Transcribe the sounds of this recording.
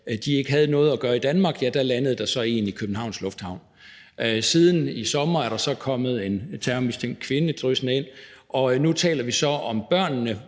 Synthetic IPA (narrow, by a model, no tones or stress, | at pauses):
d̥ie̝ɡ̥əɦæð̞̩ˠnɔ̽ːð̞̩ˠæɡ̥ɶːɐid̥ænmɑ̈ːɡ̥jæd̥ælænəð̩ˠd̥ɑ̈sɒ̽e̝ːnikʰøb̥n̩ɦɑ̈ʊ̰nslɔ̽fd̥hɑ̈ʊ̰n | ʔsið̞ˠn̩isɒ̽mɐæɐɾ̥ɑ̈sɒ̽kʰɒ̽mð̞̩ˠe̝nt͡sʰæɐmisd̥ʰeŋ̰d̥̚kʰʋe̝nəd̥ʁysnəe̝n̰ʔɒ̽nut͡sʰɛ̰ːlɐʋisɒ̽ɒ̽mb̥ɶɐ̰nːə